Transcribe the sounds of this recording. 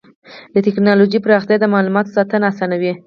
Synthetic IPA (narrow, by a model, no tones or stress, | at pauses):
d̪ət̪ɪknɑlod͡ʒipəɾɑxt̪jɑd̪əmɑlumɑt̪osɑt̪ənasɑnawi